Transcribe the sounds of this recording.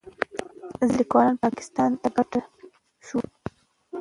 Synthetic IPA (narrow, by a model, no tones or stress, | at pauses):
zlikwɑlɑnpɑkɪ̥st̪ɑnt̪aɡaʈa | ʃu